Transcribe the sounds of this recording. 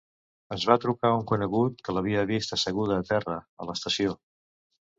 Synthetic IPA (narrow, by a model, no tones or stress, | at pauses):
əzβat̪ɾukauŋkunəɣut̪̚kələβ̞iəβist̪əsəɣ̞uðəːt̪ɛrəə̰ləst̪əsio